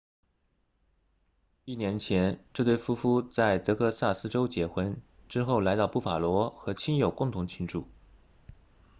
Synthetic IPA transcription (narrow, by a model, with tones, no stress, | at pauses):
i˥˩njɛ˧˥nt͡ɕʰjɛ˧˥nʈ͡ʂɤ˥˧t̪we˥˩ɪfu˥fu˥t͡sa˥˩ɪt̪ɤ˧˥kʰɤ˥˧sa˥˩sɹ̩˥ʈ͡ʂo˥ʊt͡ɕjɛ˧˥xwə˧˥nʈ͡ʂɻ̩˥xo˥˩ʊla˧˥ɪt̪ɑ˥˧ʊpu˥˩fa˨˩lwɔ˧˥xɤ˧˥t͡ɕʰi˥njo˨˩ʊkʊ˥˩ŋt̪ʰʊ˧˥ŋt͡ɕʰi˧˥ŋʈ͡ʂṵ˥˩